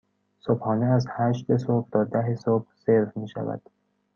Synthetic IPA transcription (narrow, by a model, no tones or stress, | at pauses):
sob̥hɒːneæzhæʃt̪esob̚t̪ʰɒːd̪æɦesob̥̚seɾfmiːʃæ̰væ̰d̪̥